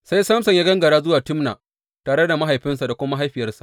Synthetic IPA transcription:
sa˦jsɐ˦msɐ˨ɲjaː˦ɡɐ˦ŋɡɐ˨ɽaː˦zʊ˦waː˨tɪ˦mna̰˨ | taː˨ɽe˦da˨ma˦ɦa˨jɸɪ˦nsa˨da˨kʷʊ˦ma˦ɦa˦jɸɪ˨jɐ˦rsḁ̰˨ʔ

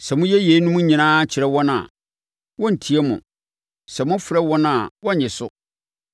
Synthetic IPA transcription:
sɛ˨mʊ̃˦jɛ˦je˨˦nũ˦mʊ̃˦ɲĩ˨nãː˦t͡ɕʰɪ˨ɾɛ˦wɔ̃˦nã̰˨ | wɔ̃˦n̩˨tʰi˨ɛ˦mʊ̰̃˨ | sɛ˨mʊ̃˦fɾɛ˦wɔ̃˦nã˨wɔ̃˦˨ɲɪ̃˨sʊ˦

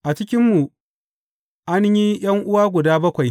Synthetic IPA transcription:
ʔa˨t͡ʃɪ˦kʲɪ˦mːu˨ | ʔa˦ɲji˦j̰ɐ˦ŋʔʊ˦waː˦ɡʷʊ˨daː˦bɐ˦kʷa˨j

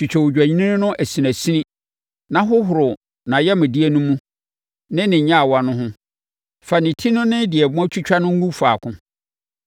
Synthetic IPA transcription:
t͡ɕʰi˨t͡ɕᶣɛ˨wʊ˨d͡ʑᶣæ˨ɲi˦nĩ˦nɪ̃˦nʊ̃˦ʔæ˨si˨æ̃˨si˦nĩ˦ | nã˦ɦʊ˦ɦʊ˨ɾʊ˨ | nã˨jɛ˦mɪ̃˨di˦e˦nũ˦mũ˦ | nɪ̃˦nɪ̃˨˦ɲã˦a˨wa˨nʊ̃˦ɦʊ̃˦ | fa˨nɪ̃˨tʰi˦nʊ̃˦nɪ̃˦dɪ˨ɛ˨bʊ̃˦ɔ̃˦t͡ɕʰᶣu˦t͡ɕᶣa˦nʊ̃˦ŋ̩˦ũ˦faː˨kʰʊ̃˦

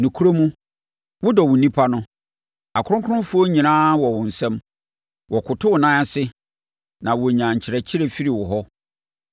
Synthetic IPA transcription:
nũ˨kʰu˦ɾo˦mũ˦ | wʊ˦dɔ˨wʊ̃˨nĩ˦pʰa˦nʊ̃˦ | a˨kʰʊ̃˦ʊ̃˦kʰʊ˦ʊ̃˦fʊ˦o˦ɲĩ˨nãː˦wɔ˨wʊ̃˨n̩˨sɛ̃˦m | wɔ˨kʰʊ˨tʰʊ˦wʊ˨nã˦a˨sɪ˦ | nã˨wɔ˨ɲã˨ɲ̩˨t͡ɕʰɪ˨ɾɛ˨t͡ɕʰɪ˦ɾɛ˦fi˦ɾi˨wɔ˨ɦɔ˦

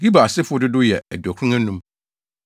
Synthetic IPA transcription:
ɡi˦ba˨a˨sɪ˦fʊ˦ɔ˦dɪ˦dʊ˦jɛ˨æ˨dæ˨kʰũ˦ŋã˦nũ˦m

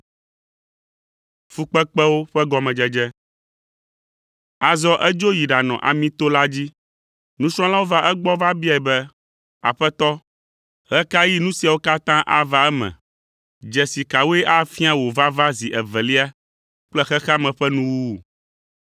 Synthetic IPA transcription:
fu˨k͡pɛ˦k͡pɛ˦wo˦ɸɛ˦ɡɔ˨mɛ̃˨d͡ʒɛ˦d͡ʒɛ˦ | a˨zɔ˦ʔɛ˦d͡ʒo˦ji˨ɖa˨nɔ̰̃˨ʔa̰˨mĩ˦t̪o˦la˦d͡ʑi˦ | nũ˦sɾ̃ɔ̃˦la˦wo˦va˦ʔɛ˦ɡ͡bɔ˦va˦bi˦a˨ɛ˨bɛ˦ | a̰˨ɸɛ˦t̪ɔ˦ | ɣɛ˦ka˦ji˦nũ˦si˨a˨wo˦ka˦t̪ã˦ʔa̰˨va˦ɛ˦mɛ̰̃˨ | d͡ʒɛ˨si˨ka˨wo˦ɛ˦ʔa˦fi˦a˦wo˨va˦va˦zi˨ʔɛ˨vɛ˨li˦a˦ | k͡plɛ˦xɛ˦xa˦mɛ̃˨ɸɛ˦nũ˦wu˦˨

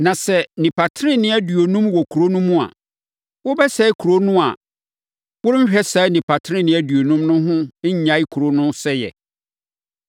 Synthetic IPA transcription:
nã˨sɛ˦nĩ˨pʰa˨tʰɾɪ̃˦nɪ̃˨˦æ˦dɥo˨nũ˦mwɔ˨kʰu˨ɾo˦nũ˦mũ˦a̰˨ | wʊ˦bɛ˦sɛ˦i˦kʰu˨ɾo˦nʊ̃˦a̰˨ | wʊ˦ɾm̩˦ɕᶣɛ˦saː˨˦nĩ˨pʰa˨tʰɪ̃˦ɪ̃˦˨nɪ̃˨˦æ˦dɥo˨nũ˦mnʊ̃˦ɦʊ̃˦ɲ̩˦ɲã˨˦i˦kʰu˨ɾo˦nʊ̃˦sɛ˦jɛ̰˨

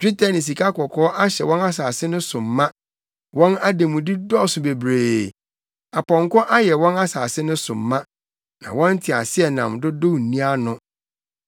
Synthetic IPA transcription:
d͡ʑᶣi˦tʰa˨nɪ̃˨s̬i˨kʰa˦kʰɔ˨kʰɔː˦ʔa˦ɕɛ˨wɔ̃˦na˦saː˨sɪ˦nʊ̃˦sʊ̃˨mːã˦ | wɔ̃˦na˦de˨mʊ̃˨di˦dɔ˦˨sʊ˨be˨bɾeː˨ | a˨pʰɔ̃˨ŋ˨kɔ˦ʔa˦jɛ˨wɔ̃˦na˦saː˨sɪ˦nʊ̃˦sʊ̃˨mːã˦ | nã̰˨wɔ̃˦n̩˦tʰɪ˨a̰˨sɪ˦ɛ˨nã̰˨mdʊ˦do˦˨n̩˨nĩ˦a˦nʊ̃˦

